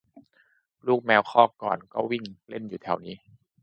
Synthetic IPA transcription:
luː˥˩k̚mɛː˧wxʰɔː˥˩kɔ̰ː˨˩nkɔː˥˩wi˥˩ŋle˥˩njuː˨˩t̪ʰɛ˨˩˦wniː˦˥

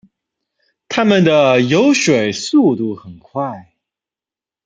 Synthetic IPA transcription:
t̪ʰa˥mə˨nd̪ə˩jo˧˥ʊʂwe˨˩ɪsu˥˧t̪u˥˩xə˨˩nkʰwa˥˩ɪ

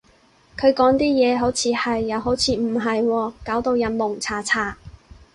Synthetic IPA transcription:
kʰɵ˨˧ɥkɔː˨˥ŋt̪iː˥jɛː˨˧ɦo˨˥wt͡sʰiː˨˧hɐ˨jːɐ˨˧wɦo˨˥wt͡sʰiː˨˧m̩˨˩ɦɐ˨jwɔː˧kaː˨˥wt̪o˧wjɐ˨nmʊ˨˩ŋt͡sʰaː˨˧t͡sʰaː˨˧˩

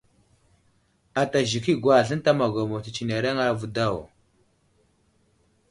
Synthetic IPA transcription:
a˨ta˨ʒi˨ki˦ɡʷa˨ɮə˦n˦ta˦ma˨ɡʷa˨mo˨ti˨t͡ʃi˨ne˨ɾa˦ŋa˦vu˦da˦˨wo˨

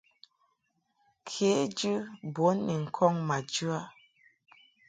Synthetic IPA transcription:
kʰe˨˦d͡ʒɨ˦bo˨˦nːi˨ŋ̩˨kʰɔ˦ŋma˨d͡ʒʉ˦a˦

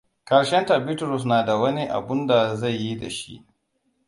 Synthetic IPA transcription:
kɐ˨ɽʃɛ˦nta˨bɪ˦tɾʊ˨s̬naː˨da˨wɐ˦ni˦ʔa̰˨bʊ˦nda˨za˦˨jːi˦da̰˨ʃḭ˦ʔ

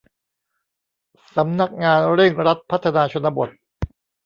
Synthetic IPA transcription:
sa˩˦mna˦˥k̚ŋaː˧nɾe˥˩ŋɾa˦˥t̪̚pʰa˦˥t̪ʰːa˧naː˧t͡ɕʰo˧nːa˧bo˨˩t̪̚

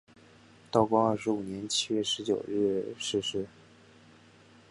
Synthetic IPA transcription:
t̪ɑ˥˩ʊkwɑ˥ə˞˥˩ʂɻ̩˧˥u˨˩njɛ˧˥nt͡ɕʰi˥ɥɛ˥˩ʂɻ̩˧˥t͡ɕjo˨˩ʊɻɻ̩˥˩ʂɻ̩˥˧ʂɻ̩˥˩

